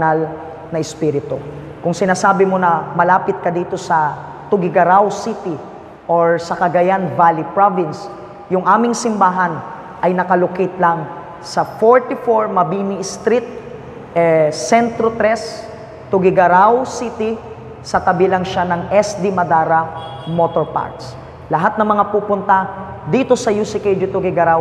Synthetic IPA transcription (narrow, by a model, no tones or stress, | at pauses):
nal | nɐʔɪspiɾɪt̪o̰ | kʊŋsɪnaːsaːbɪmo̞nɐmɐlaːpɪt̪̚kɐd̪iːt̪o̞sɐ | t̪ʊɡɪɡɐɾawsit̪ɪ | ʔoɹsɐkɐɡajanvalipɹovɪns | jʊŋʔaːmɪŋsɪmbaːɦɐn | ʔɐjnɐkɐlokɪt̪lɐŋ | sɐfoɹt̪ifoɹmɐbinist̪ɾit̪̚ | ɛsɛnt̪ɾot̪ɾɛs | t̪ʊɡɪɡɐɾawsit̪i | sɐt̪ɐbilɐŋʃanɐŋʔɛsd̪imɐd̪aːɾɐmot̪oɹpa̰ɹt̪s | lɐɦat̪̚nɐŋmɐŋapuːpʊnt̪ad̪iːt̪o̞sɐjusɪked͡ʒɪt̪ʊɡɪɡɐɾaw